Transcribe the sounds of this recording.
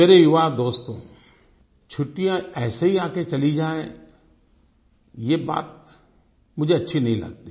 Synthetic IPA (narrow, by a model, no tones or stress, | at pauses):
meːɾejʊʋaːd̪oːst̪õ̰ː | t͡ʃʰʊʈːijãɛːseɦiaːket͡ʃɐlid͡ʒaːḛ̃ | jeːba̰ːt̪̚ | mʊd͡ʒʱeɐtːʃʰinɐɦĩlɐ̰ɡ̚t̪i